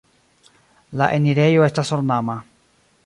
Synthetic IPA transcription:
laʔeniɾejoest̪asoɾnama

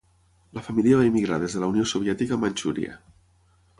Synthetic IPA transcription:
ləfəmiliəβaimiɣɾað̞ezðələuniosoβ̞iɛt̪ikəmanʲt͡ʃuɾḭə̰

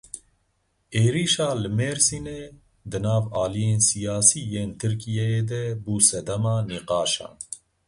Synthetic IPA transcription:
eːɾiːʃɑːlɨmeːɾsiːne | d̪ɨnɑːvɑːlijeːnsijɑːsiːjeːnt̪ʰɨɾkijɛjeːd̪ɛbuːsɛd̪ɛmɑːniːqɑːʃɑ̰ːn

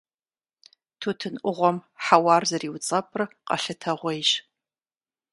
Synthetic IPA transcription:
tʰuːtʰɨnʔʷʊʁʷɔmħawɑːrzɐriːwt͡sʼɐpʼrqɐ̰ɬɐtʰɐʁʷejɕ

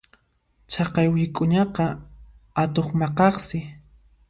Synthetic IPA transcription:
t͡ʃʰɑqɑjwɪkʼʊɲɑqɑ | at̪oχmɑqɑχsɪ

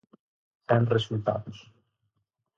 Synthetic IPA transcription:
θɛnresult̪a̰ðʊs

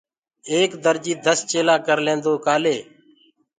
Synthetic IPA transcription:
eːkd̪əɾd͡ʒiːd̪ʱəst͡ʃeːlãːkəɾlẽːnd̪oːkaːleː

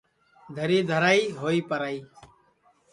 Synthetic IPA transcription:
d̪ʱəɾiːd̪ʱəɾaːiːɦoːiːpəɾaːiː

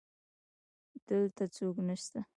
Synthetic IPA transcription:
d̪̥əlt̪at͡soknəʃt̪a

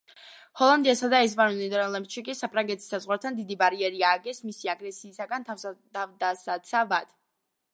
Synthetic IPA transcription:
hɔlˠand̪iasad̪aɛs̬banunid̪ɾlɛp̪ʃikʼisapʰɾaŋɡɛt̪ʰi̥sːazʁwaɾt̪ʰand̪id̪ibaɾiɛɾiaːɡɛsmisiaɡɾɛsiːsaɡant̪ʰ | avd̪asat̪sʰavad̪̥

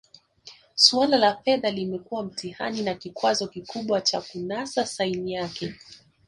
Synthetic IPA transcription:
swalalafɛðalimɛkuwam̩tiha̰ninakikwazɔkikuɓwat͡ʃa̰kunasasainijakɛ

